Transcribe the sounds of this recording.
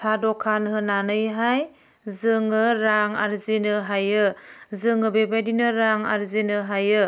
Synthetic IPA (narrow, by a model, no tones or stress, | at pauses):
sʰadɔkʰanɦɯnanɯjɦaj | zɯŋɯɾaŋa̰ɾzinɯɦajɯzɯŋɯbebajdinɯɾaŋa̰ɾzinɯɦajɯ